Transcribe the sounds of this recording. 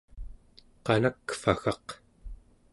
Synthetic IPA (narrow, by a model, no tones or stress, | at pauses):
qɑnakfa̰xɑq